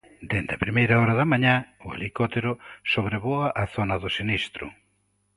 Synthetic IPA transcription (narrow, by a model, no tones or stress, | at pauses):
d̪end̪ɐpɾimejɾaɔɾɐðɐmaɲaʊḛlikot̪eɾʊsoβɾeβoaʔaθonɐðʊsenist̪ɾʊ̰